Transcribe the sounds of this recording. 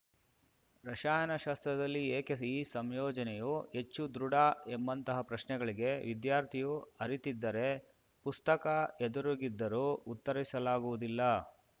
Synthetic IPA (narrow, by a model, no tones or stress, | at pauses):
ɾɐʃaːjɐnɐʃaːst̪ɾɐd̪ɐlːieːkeiːsɐmjɔːd͡ʒɐnɛjue̞t͡ʃːud̪ɾuɽaembɐnt̪ɐɦɐpɾɐʃnɛɡɐɭiɡe̞ʋid̪jaːɾt̪ʰijuɐɾit̪id̪ːɐɾe̞ | pust̪ɐkɐed̪uɾuɡid̪ːɐɾuut̪ːɐɾisɐlaːɡuʋud̪ilːɐ